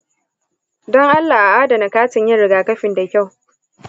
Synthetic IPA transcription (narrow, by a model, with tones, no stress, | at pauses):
dɔ˦ŋʔa˦lːa˨ʔa˨ʔaː˦da˨na˨kaː˦tɪ˨ɲjɪ˦ɽɪ˨ɡaː˨kɐ˦ɸɪ˨nda˨kʲa˦˨w